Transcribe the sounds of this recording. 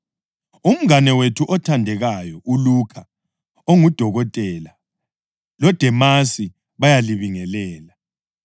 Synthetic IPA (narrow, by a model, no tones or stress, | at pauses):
um̩ŋanɛwetʰuʔɔtʰandʱɛɣajɔʔulukʰa | oŋud̥ʱɔɣɔtʼɛla | lɔd̥ʱɛmasi | βajaliβiŋɛlɛːla